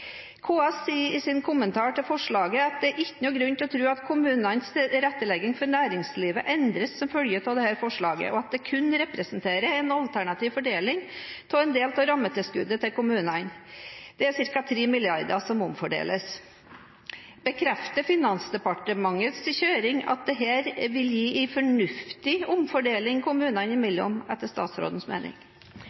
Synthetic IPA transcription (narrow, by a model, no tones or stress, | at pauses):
kʰoːɑssiːɾɪsɪnkʰʊmənt̪ʰɑːʈɪlfɔʂɭɑːɡəɑt̪̚d̪ɛæɾʔɪçːənuːɡɾʉnt̪ɪɔt̪ʰɾʉːɑt̪kʰʊmʉːnɑnsɾɛt̪ːəlɛɡːɪŋfɔɾnæːɾɪŋsliːʋəʔɛnd̪ɾəsːɔmfœljəpʰɔd̪ɛhæːɾfɔʂɭɑːɡə̰ʔɔɑt̪̚d̪ɛkʰʉnɾɛpɾəsnt̪ʰeːɾəɛnɑlt̪ʰæɳɑt̪iːʋfɔɖeːlɪŋt̪ʰɑɛnd̪eːlt̪ʰɑɾɑmːət̪ʰɪlskʉd̪ət̪ɪlkʊmʉːnɑnd̪̥ɛæsɪɾkɑt̪ʰɾeːmɪljɑɾd̪əsɔmʊmfɔɖḛːləs | bəkʰɾɛft̪əfɪnɑnsd̪ɛpɑʈəmɑŋːət̪sçøːɾɪŋɑ̰t̪̚d̪ɛɦæːɾʋɪljiːʔɪfɔɳʉft̪ɪʊmfɔɖeːlɪŋkʰʊmʉːnɑnɪmɪlːəɔ̰mɛt̪ːəʂt̪ɑ̰ːt̪sɾo̰ːd̪n̩smḛːnʔɪ̰ŋ